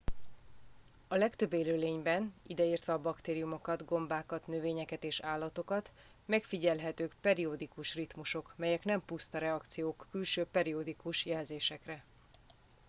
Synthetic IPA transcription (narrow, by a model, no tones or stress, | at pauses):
ɒlɛkt̪ø̞bːeːløːleːɲbɛnid̪ɛiːrt̪ʋɛɒbɒkt̪eːɾijumo̞kɒd̪ɡo̞mbaːkɒt̪nøveːɲɛkɛt̪eːʃaːlːɒt̪o̞kɒt̪ | mɛkfiɟɛlɦɛt̪øːkpɛɾiod̪ikuʃrit̪muʃo̞kmɛjɛknɛmpust̪ɒɾɛɒkt̪sijoːkːylʃøːpɛɾiod̪ikuʃjɛlzeːʃɛkrɛ